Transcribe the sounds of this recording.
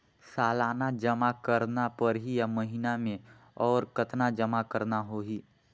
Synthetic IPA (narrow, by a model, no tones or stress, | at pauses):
saːlaːnad͡ʒɐmakəɾnapəɾɦijaməɦinamẽ | ɔːɾkət̪nad͡ʒəmakəɾnaɦoːɦiː